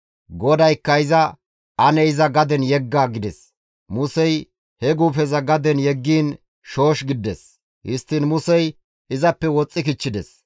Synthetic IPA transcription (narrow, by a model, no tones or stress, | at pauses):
ɡɔd̪ɐjkːɐɪzɐ | ʔɐnɛɪzɐɡɐd̪ɛnjɛɡːaːɡɪd̪ɛs | mʊsɛj | hɛɡuːfɛzɐɡɐd̪ɛnjɛɡːiːn | ʃo̞ːʃɡɪd̪ːɛs | hɪst̪ːɪnmʊsɛj | ɪzɐpːɛwɔt͡sʼːɪkɪt͡ʃːɪd̪ɛs